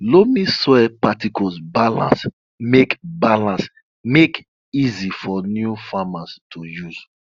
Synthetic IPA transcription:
lomĩswɛpatikɔzbalã̰ns | mekbalãns | mek | izifɔnjufamastʰujuz̥

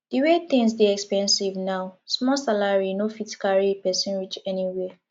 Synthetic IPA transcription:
d̥iwet̪ĩŋsdeɛkspɛ̃nsivnaʊsmɔsalaɹinofitkaɹipɛsĩnɹit͡ʃɛniwɛ

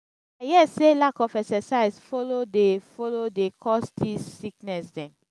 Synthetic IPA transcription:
ajɛselakɔfɛksɛsaɪzfɔlodefɔlodekʰɔstisiknɛsdɛ̃m

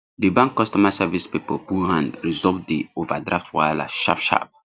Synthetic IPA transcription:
dibãŋkːɔstɔmasɛvispipɔbuhãndɹizɔvdiovadɹaftwajla̰ʃa̰pʃa̰p̚

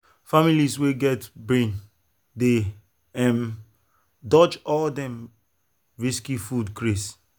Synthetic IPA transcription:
familisweɡɛtbɹẽn | de | ɛ̃m | dɔt͡ʃɔldɛ̃m | ɹiskifudkɹes

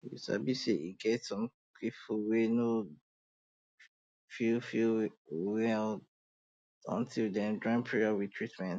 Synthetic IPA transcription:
wḭsa̰biseḭɡɛtsɔ̃m | kʰipfuweno | filfiwɛl | ɔ̰̃ntʰildɛ̃ndɹãɪ̃mpʰiɹiawitʰɹitmɛ̃nt

